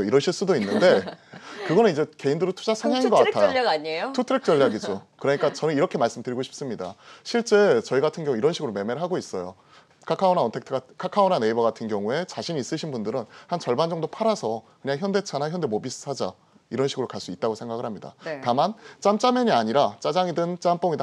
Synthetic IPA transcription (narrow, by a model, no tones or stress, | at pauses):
iɾʌɕʰiɭs͈udoinːɯnde̞kɯɡʌnɯnid͡ʑe̞ke̞indɯɾotʰud͡ʑasʰaɲɦaŋinɡʌkatʰajoaaɲejotʰutʰɯɾek̚t͡ɕ͈ʌʎːaɡid͡ʑokɯɾʌɲik͈at͡ɕʌnɯniɾʌkʰe̞maɭs͈ɯmdɯɾiɡoɕʰi̥p̚s͈ɯmɲida̰ɕʰiɭt͡ɕ͈e̞t͡ɕʌiɡatʰɯnɡjʌŋuiɾʌnɕʰiɡɯɾome̞me̞ɾɯɭɦaɡois͈ʌjo | kʰakʰaonaontʰektʰɯɡkʰakʰaonane̞ibaɡatʰɯnɡjʌŋue̞t͡ɕaɕʰiɲiːs͈ɯɕʰinbundɯɾɯnhant͡ɕʌɭband͡ʑʌŋdopʰaɾasʰʌkɯɲaŋçjʌnde̞t͡ɕʰanaçjʌnde̞mobisʰɯ̥sʰad͡ʑa | iɾʌnɕʰiɡɯɾokaɭs͈uit̚t͈aɡosʰe̞ŋɡaɡɯɭhamɲida̰tamant͡ɕ͈amt͡ɕ͈ameɲiaɲiɾat͡ɕ͈ad͡ʑaŋidɯnt͡ɕ͈amp͈oŋida